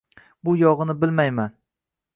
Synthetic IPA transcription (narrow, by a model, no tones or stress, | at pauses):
bʊjɒʁɨnɪbɪlmajman